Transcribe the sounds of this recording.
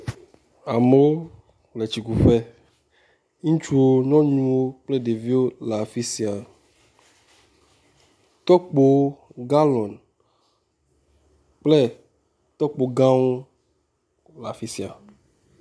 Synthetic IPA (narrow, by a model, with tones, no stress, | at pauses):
a˨me˦wo˦ | k͡ple˨t͡ɕi˨ku˨ɸɛ˦ | ŋũ˦t͡ʃu˦wo˦ɲɔ̃˦ɲũ˦wo˦k͡plɛ˦de˨vi˦wo˦la˨fi˦si˨a˨ | t̪ɔ˦k͡po˦ɡa˦lɔ̃˨n | k͡plɛ˦ | t̪ɔ˦k͡po˨ɡã˦wo˦ | la˨fi˦si˨a˨